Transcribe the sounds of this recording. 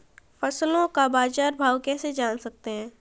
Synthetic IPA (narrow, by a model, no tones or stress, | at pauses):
fɐslõkabaːd͡ʒaːɾbʱaːwkɛːsed͡ʒaːnsɐk̚t̪eɦɛ̃ː